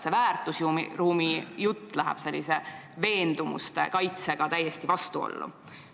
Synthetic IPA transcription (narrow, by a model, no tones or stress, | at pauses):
sevæːrt̪ːˑusjumiruːmijut̪ːˑlæɦæ̰b̥se̞lʲːise̞ | ve̞ːnd̪̥umṵst̪ḛkɑjt̪se̞ɡ̥ɑt̪æjːest̪ivɑst̪uo̰lːṵ